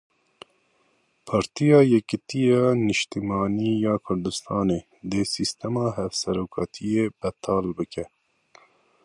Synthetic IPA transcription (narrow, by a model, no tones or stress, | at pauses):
pʰɑːɾt̪ijɑːjɛkɨt̪ijɑːnɨʃt̪imɑːniːjɑːkʰʊɾd̪ɨst̪ʰɑːneː | d̪esist̪ɛmɑːɦɛvsɛɾoːkʰɑːt̪ʰijeːb̥ɛt̪ʰɑːlbɨkɛ